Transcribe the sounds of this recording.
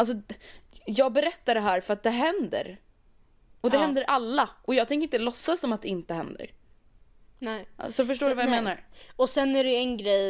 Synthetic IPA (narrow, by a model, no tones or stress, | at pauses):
als̬ɔ | jɑːɡ̚bɛɾɛt̪ːaɖɛɦæːɾfœɾat̪̚d̪ɛɦɛnd̪ə̰ɾ | ɔd̪ɛɦɛnd̪əɾʔalːaʔɔjɑːɡt̪ʰɛŋkəɾɪnəlɔsːasɔmat̪̚d̪ɛɪnt̪əhɛ̰nd̪ə̰ɾ | nɛsɔfœʂ̬ʈoːɖɵvajameːnaɾɔsɛnːæɾɛjɛnɡɾɛj